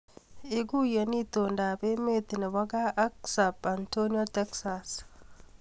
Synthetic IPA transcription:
eɡujɐnit̪ondaːbemet̪ɪnɐwɐɡaːʔɐksabant̪oniot̪ɛksas

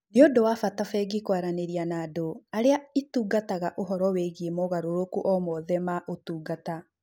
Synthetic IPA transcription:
neodowafatafɛɡikwaɾaneɾianaːdoaɾeaituːɡataɣaʔoɦɔɾɔweɣemɔɣaɾoɾokuʔɔmɔðɛmaʔotuːɡata

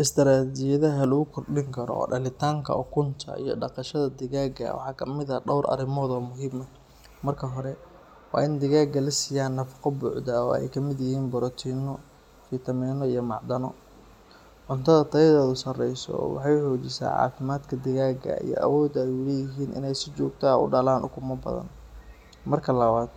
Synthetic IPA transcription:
ʔɪst̪ɐɾaːd͡ʒɪjɐðɐɦɐlʊɣʊkʰɔrɖɪŋkʰɐɾɔ̰ɖɐlɪt̪ʰaːŋkʰɐ̰ɔkʰʊnt̪ʰɐ̰ḭjɞ̰ɖɑqɑʃɐðɐd̪ɪɣaːɡɐ̰wɑ̰ħɑːkʰɐmɪðɐɖɔwɾʔɐ̰ɾɪmɔːðɔːmʊɦiːmɐ | mɐrkʰɐɦɔɾɛ | wɑ̰ːɪnd̪ɪɣaːɡɐlɪsɪjaːnːɐfɑ̥qɔbʊʕd̪ɐɔ̰ːɛ̰jkʰɐmɪd̪jɪhiːnbɔɾɔt̪ʰiːnɔ | fɪt̪ʰɐmɛːnɔijɞmɑʕd̪ɐnɔ | ʕʊnt̪ʰɐðɐt̪ʰɐjɐðɛːðʊsɐrɛjsɔ̰wɑ̰ħɑjʊħɔːt͡ʃɪsa̰ːʕɑ̰ːfɪmaːd̪kʰɐd̪ɪɣaːɡɐ̰ḭjɔ̰ʔɐ̰wɔːd̪ɐjʊlɛːjɪɦiːnʔɪ̰nɛjsɪt͡ʃɔːɡt̪ʰaːʊ̰ɖalaːnʔʊ̰kʰʊmɐbɐ̰ðɐ̰n | mɐrkʰɐlɐβaːd̪̥̚

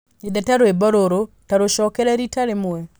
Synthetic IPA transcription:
edataɾoebɔɾoɾo | taɾoʃɔkɛɾɛɾitaɾemwɛ

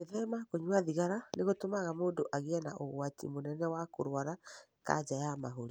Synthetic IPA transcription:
eðɛmakoɲwaðiɣaɾaneɣotomaɣamoːndoʔaɣeɛnaʔoɣwatḭmonɛnɛwakoɾwaɾa | ka̰d͡ʒajamaɦoɾi

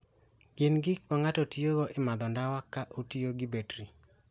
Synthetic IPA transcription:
ɡ̥ɪnɡɪk̚maŋatɔtijoɡɔʔɪmad̪ɔndawakːaʔotioɡibetɾi

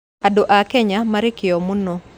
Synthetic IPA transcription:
adoʔakɛɲamaɾɪkɪɔmuno

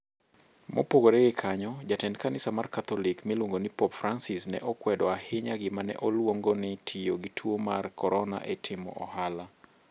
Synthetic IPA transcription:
mʔo̰poɡoɾeɡɪkʰaɲɔd͡ʒatɛnkanɪsamarkat̪ɔlɪkmɪlwoŋɡonipɔpfransɪsnɛ̰ʔɔkwɛdɔahɪɲaɡɪmanɛ̰ʔɔlwoŋɡonɪtʰioɡɪtʰwoma̰rkɔɾɔna̰ʔɛtʰɪmɔ̰ʔɔhala

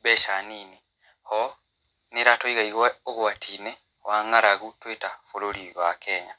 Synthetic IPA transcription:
βeʃaniːni | hɔ | neɾatoiɣaiɣweoɣwatʰine | waːŋɡaɾaɣutwetafololiɣakeːɲa

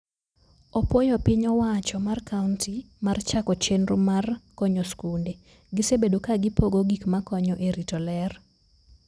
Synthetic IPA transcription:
opwojɔpɪɲɔwat͡ʃɔmarkaunti | mart͡ʃakɔt͡ʃenɾomarkoɲoskunde | ɡɪsebedokaɡɪpoɡoɡikmakɔɲɔʔeɾitɔlɛr

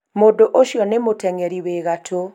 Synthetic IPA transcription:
modoʔoʃjɔnemotɛŋɛɾiweɣatʰo

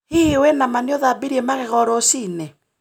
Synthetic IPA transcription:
hiwɛnamaneoðabiɾiemaɣeɣɔɾɔsine

